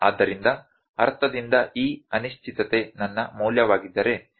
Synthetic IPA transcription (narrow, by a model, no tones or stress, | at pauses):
a̰ːd̪ːɐɾind̪ɐ | ɐɾt̪ʰɐd̪ind̪ɐʔiːɐniʃt͡ʃʰit̪ɐt̪e̞nɐnːɐmuːljɐʋaːɡid̪ːɐɾe̞